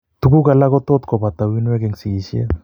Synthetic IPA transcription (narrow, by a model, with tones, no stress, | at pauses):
t̪u˨ɡu˦ɡa˨la˦ɡɔ˦t̪ɔ˦t̪̚kɔ˨ba˨t̪a˨wi˦nwe˦ɡɛ˨ŋsi˨ɡi˨si˦ḛ˦